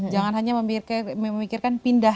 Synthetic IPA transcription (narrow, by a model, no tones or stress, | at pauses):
d͡ʒaŋanɦaɲaəmkəmikɪrkanpinda